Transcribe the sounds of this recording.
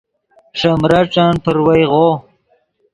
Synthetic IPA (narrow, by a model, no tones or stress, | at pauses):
ʂamɾaʈ͡ʂanpəɾwajʁo